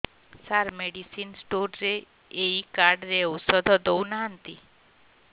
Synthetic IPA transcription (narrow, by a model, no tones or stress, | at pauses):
saɾmeɽisinsʈoɾɾe | eikaɾɖɾeɔwsɔd̪ʱɔd̪ɔwnaɦənt̪i